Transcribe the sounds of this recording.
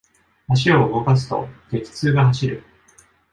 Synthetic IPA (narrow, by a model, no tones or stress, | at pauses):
aɕ̬io̞ɯɡo̞kas̬ɨ̥t̪o̞̰ke̞ki̥t͡sɨːɡahaɕiɾɯ̟̰